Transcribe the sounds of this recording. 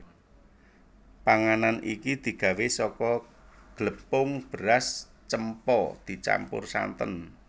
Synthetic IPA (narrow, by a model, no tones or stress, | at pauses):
paŋananikid̪̥i̤ɡ̥ä̤wesɔkɔɡ̥ləpʊŋb̥əɾas | t͡ʃəmpɔd̪̥i̤t͡ʃa̰mpʊ̰rsa̰nt̪ən